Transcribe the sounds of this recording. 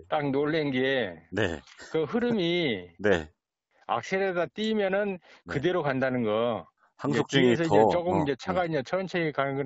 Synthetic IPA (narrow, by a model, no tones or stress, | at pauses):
t͈ak̚noɭːenɡenḛkɯɦɯɾɯmine | a̰k̚sʰeɾedat͈imjʌnɯnkɯde̞ɾokandanɯnɡʌ | haŋsʰok̚t͡ɕ͈iiesʰʌid͡ʑet͡ɕ͈oɡɯmind͡ʑe̞t͡ɕʰaɡainɲd͡ʑat͡ɕʰʌnt͡ɕʰeɡekaɡɯ